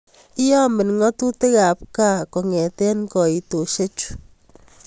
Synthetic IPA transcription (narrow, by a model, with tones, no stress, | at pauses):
i˦jɔ˦mɪ˨nŋɔ˦tu˦tɪ˦ka˨p̚ka˦kɔ˨ŋɛ˨tɛ˦nkɔ˨i˨to˨ʃe˦t͡ʃu̥˦